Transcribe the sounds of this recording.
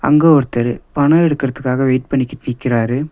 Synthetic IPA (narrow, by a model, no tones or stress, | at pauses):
ɐ̰ŋɡɐɔɾɯt̪ːɐɾɯpɐɳɐɛɽɯkːɪɾɐðɯkːaːɣɐʋeːʈ̚pɐɳːɪkːɪʈːɯnɪkːɪɾaːɾɯ